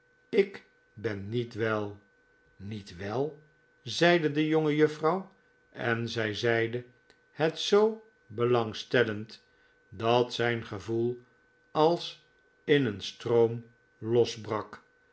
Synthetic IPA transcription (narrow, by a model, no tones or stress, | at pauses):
ɪk | bɛnːitʋɛlˠ | nitʋɛlˠ | zɛjdədəjoŋəjɵfrɑw | ɛnzɛjzɛjdə | hɛtsow | bəlɑŋstɛlənt | dɑtsɛjnχəvulˠ | ɑlˠs | ɪnənstrowm | lɔzbrɑk